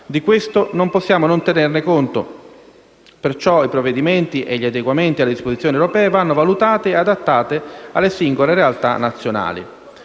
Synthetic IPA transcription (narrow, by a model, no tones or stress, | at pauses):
d̪ikwest̪onomposːjaːmonont̪enernekont̪o | pert͡ʃɔipɾovːed̪iment̪iʔeʎːiad̪eɡwament̪ialːed̪ispozit̪sːjoniewɾopɛːevanːovalut̪aːt̪eead̪at̪ːaːt̪ea̰lːesiŋɡoleɾealt̪a̰nːat̪sːjona̰ːlḭ